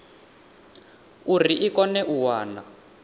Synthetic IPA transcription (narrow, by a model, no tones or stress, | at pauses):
uriʔikɔnɛʔuwaːna